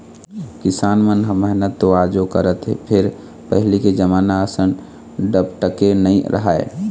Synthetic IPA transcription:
kɪsaːnmənɦə̃mːɛɦnət̪ːoad͡ʒokəɾət̪ɦḛpʰɪɾ | pəɦliked͡ʒəmaːnaəsən | ɖəbʈəkenəĩɾə̰ɦaḛ

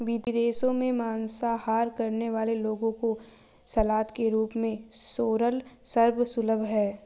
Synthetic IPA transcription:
ʋid̪d̪eːsõmẽmaːnsahaːɾkɐɾneʋaːleloːɡõko | sɐlaːt̪keɾuːpmẽsoːɾəlsɐɾbʱsʊləbʱɦɛː

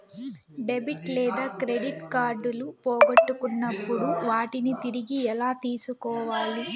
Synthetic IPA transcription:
ɖebiʈlɛːd̪aːkɾeɖiʈkaːɾɖulupoːɡɐʈːukunːɐpːuɽuʋaːʈinit̪iɾiɡiɛlaːt̪iːsukɔːʋaːli

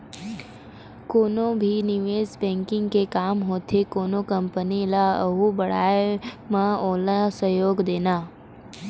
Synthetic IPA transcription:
koːnõbʱinɪʋeːzbɛ̃ːŋkɪ̃ŋɡkekaːmɦoːt̪ʰekoːnokɐ̃mpənilaɐɦubɐɽ̤aːje | mãoːlasəjoːɡd̪eːnaː

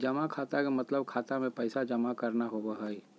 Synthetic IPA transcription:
d͡ʒɐmakʰaːt̪akemɐt̪ləb̚kʰaːt̪amẽpəɪsad͡ʒɐmakɐɾnaɦobəɦaːi

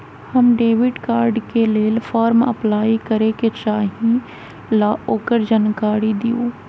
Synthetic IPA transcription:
hɐmɖeːʋɪɖkaːɾɖkeleːlfʰaːɾmɐ̰plaːikɐɾeket͡ʃaːɦĩ | laoːkəɾd͡ʒənkaːɾid̪ioː

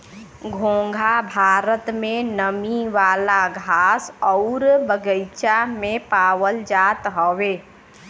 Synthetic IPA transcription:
ɡʱõːŋɡʱabʱaːɾət̪mẽnəmiʋaːlaɡʱaːsɔʊɾbəɡəɪt͡ʃamẽpaːwəld͡ʒat̪ɦɔʋeː

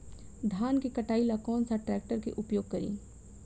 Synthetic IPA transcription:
d̪ʱaːnkekɐʈaːilakɔːnsaʈɾɛːk̚ʈəɾkeʔʊpjoːɡ̚kɐɾḭː

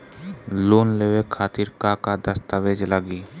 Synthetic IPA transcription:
loːnlewekʰaːt̪iɾkakad̪əst̪aʋed͡ʒlaɡiː

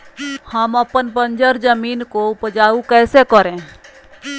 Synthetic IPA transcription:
həməpənpə̃nd͡ʒəɾd͡ʒəmiːnkoʊpəd͡ʒaːukɛːsekəɾẽː

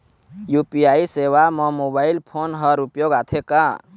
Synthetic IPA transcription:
jupijaisewamʌmobailpʰonɦəɾupjoɡat̪ʰeka

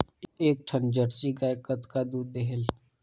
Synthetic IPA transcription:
eːk̚ʈʰənd͡ʒəɽsiɡaːjkət̪kad̪uːd̪ːeɦel

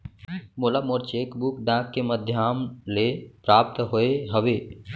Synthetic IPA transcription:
moːlamoɾt͡ʃeːkbukɖãːkːeməd̪ʱjaːmlepɾaːp̚t̪ɦoeɦəʋeː

